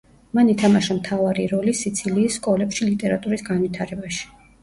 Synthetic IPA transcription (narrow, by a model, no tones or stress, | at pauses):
manit̪ʰamaʃamt̪ʰavaɾiɾɔlisit̪sʰiliːsːkʼɔlɛpʃilit̪ʼɛɾat̪ʼuɾisɡanvit̪ʰaɾɛbaʃi̥